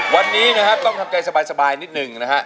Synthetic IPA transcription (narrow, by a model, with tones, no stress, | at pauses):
wa˧nːiː˦˥na˦˥kʰt̪ɔ˥˩ŋt̪ʰa˧mka˧jsa˧baː˧jsa˧baː˧jni˦˥t̪̚nɯ˨˩ŋna˦˥kʰa˦˥ʔ